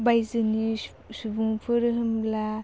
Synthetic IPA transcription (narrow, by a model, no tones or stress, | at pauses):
bajzɯni | subuŋpʰɯɾɯɦɯmbla